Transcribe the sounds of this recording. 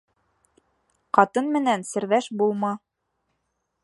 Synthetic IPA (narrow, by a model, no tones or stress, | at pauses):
qɑt̪ɤnmɘ̆nænsɘ̆ɾðæʃbulˠmɤ